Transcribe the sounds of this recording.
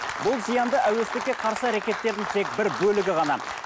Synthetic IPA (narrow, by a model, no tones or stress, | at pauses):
bʊlˠzijɑnd̪əʔæwe̞st̪ɪkʲːe̞qʰɑɾsəæɾakʲe̞t̪ːe̞ɾd̪ɪŋt̪ʰe̞k̚bɪɾbɵlɪɡʲɪʁɑnɑ